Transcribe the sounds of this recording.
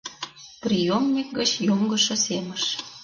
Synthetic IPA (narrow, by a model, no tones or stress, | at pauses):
prʲijomnʲik̚ɡət͡ɕjomɡə̆ʃɤ̆seməʃ